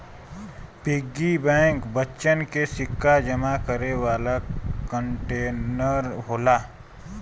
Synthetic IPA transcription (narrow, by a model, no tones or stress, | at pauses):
pɪɡːibɛ̃ːŋkbətːʃənkesɪkːad͡ʒəmakəɾewaːlakəɳʈeːnəɾɦoːlaː